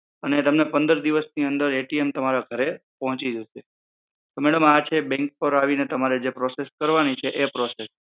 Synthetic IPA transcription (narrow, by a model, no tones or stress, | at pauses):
ənet̪əmnepə̃nd̪əɾd̪iʋəsniənd̪əɾeʈiemt̪əmaɾaɡʱəɾepəɦɔ̃t͡ʃid͡ʒəʃe | t̪omɛɽəmat͡ʃʰebɛ̃ŋk̚pəɾaʋinet̪əmaɾed͡ʒepɾɔseskəɾʋanit͡ʃʰeʔepɾɔses